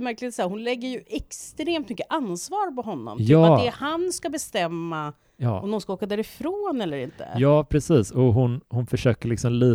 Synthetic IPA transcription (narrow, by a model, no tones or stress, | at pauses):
mæɾklɪɡt̪sæːɾhʊnlɛɡːəɾjɵʔɛkst̪ɾeːmt̪mʏkːəʔansvɑːɾpɔɦɔnːɔ̰mt̪ɑːat̪d̪ɛhanskabɛst̪ɛmːa | ɔmd̪ɔnskaoːkad̪æːɾɪfɾoːnɛlːəɾɪnt̪ə̰jɑːpʰɾɛsiːsɔɦʊnhʊnfœʂøːkəɭɪksɔmliː